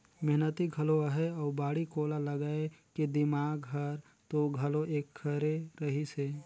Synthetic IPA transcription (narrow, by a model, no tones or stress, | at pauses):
mɛɦnət̪iɡʱəloəɦeɔːɾbaːɽikoːlaləɡaːekid̪ɪmaːɡɦɐɾ | t̪oɡʱɐloʔeːkʰːəɾeɾɐɦiseː